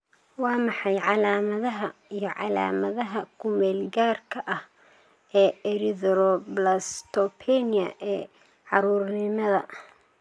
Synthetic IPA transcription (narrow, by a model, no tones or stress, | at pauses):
wɑːmɑħɑjʕɑlaːmɐðɐɦɐijɞʕɑ̰la̰ːmɐðɐɦɐkʰʊmɛːlɡaːrkʰɐʔɐh | ʔɛːɛɾɪðɾɔblɐst̪ʰɔpʰɛnɪɐ̰ʔɛː | ʕɑɾuːrnɪmɐðɐ̰